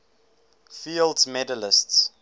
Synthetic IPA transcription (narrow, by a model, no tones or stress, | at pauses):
fildsmɛdələsts